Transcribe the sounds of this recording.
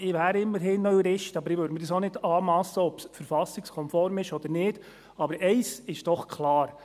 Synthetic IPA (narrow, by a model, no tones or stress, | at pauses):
ɪʋæːɾɪmːəɾɦɪnːœɥɾɪʃtɑbəɾɪʋøːɾdmədɑsonɪdɑːmɑsːəɔpsfəɾfɑsɪkskʰɔnfɔɾmɪʃɔd̥̪əɾnɪːd̥ | ɑbəɾɛɪsɪʃd̥ɔχkʰlɑːɾ